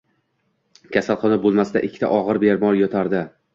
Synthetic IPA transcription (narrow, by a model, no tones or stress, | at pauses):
kʲʰasalˠχɒnabolˠmasɪd̪a̰ʔɪkʲʰːɪ̥t̪ʰa̰ʔɒʁɨɾbeɾmɒɾjɒt̪ʰaɾd̪ɪ